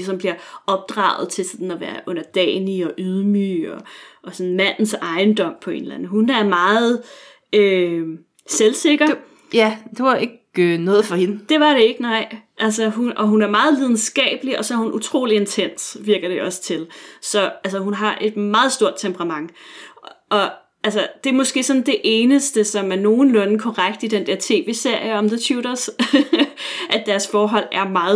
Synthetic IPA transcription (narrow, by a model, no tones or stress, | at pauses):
sɒ̽mb̥liɐɒ̽b̥̚d̥ʁɑ̰̈ːʊð̞̩ˠt͡sʰe̝lsɒd̥n̩ɒʋæːɐʔɔ̽n̰ɐd̥ɛ̰ːniɒ̽ʔyð̞ˠmy̰ɒɒ̽sɔ̽n̩mæn̰n̩sɑ̈ɪnd̥ɒ̽m̰pʰɒ̽e̝̰ːnlænð̩ɦunæɐmɑ̈ːð̩ˠ | ø | selse̝ɡ̥ɐ | jæd̥e̝ʋɑ̈e̝ɡ̥ønɔːð̩ˠfɒ̽he̝nd̥e̝ʋɑ̈ɾe̝e̝ɡ̥ənɑ̈ɪ̰ʔælsəɦunɒ̽ɦunæɐmɑ̈ːð̞̩ˠliðˠn̩sɡ̥ɛ̰ːb̥əliɒ̽sɒ̽æɐhunʔut͡sʰʁo̝̰ːlie̝nt͡sʰen̰sʋiɐɡ̥ɐɾ̥e̝ʔɒ̽sə̥t͡sʰe̝lsɒ̽ælsəɦunɦɑ̈ʔe̝d̥mɑ̈ːð̩ˠsd̥o̝ɐ̰d̥̚t͡sʰempʰəʁɑ̈mɑ̈ŋ̰ | ʔɒ̽ | ælsəd̥e̝æɐmɒ̽sɡ̥e̝̰ːsɒ̽nd̥e̝ʔe̝ːnəsd̥əsɒ̽mæɐno̝ːn̩lɔ̽nkʰɒʁaɡ̥d̥id̥end̥æɐt͡sʰe̝̰ːʋe̝̰ːse̝ɐ̰jəɒ̽mðət͡sʰjuːɾɐs | ʔæd̥æɐsfɒːɦɒ̽l̰æɐmɑ̈ːð